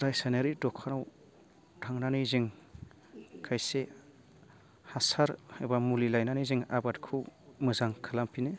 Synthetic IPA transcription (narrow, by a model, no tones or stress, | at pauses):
ɾajsaneɾidɔkʰanaw | dʰʱaŋnanijziŋ | kʰajse | hasaɾhajbamulilajnanijziŋa̰batkʰɯwmɯzaŋkʰɯlampʰine